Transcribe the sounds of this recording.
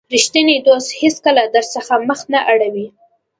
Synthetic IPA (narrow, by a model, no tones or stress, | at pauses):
ɾiʃt̪əned̪osheskəlad̪əɾsəxaməxnaʔaɽawi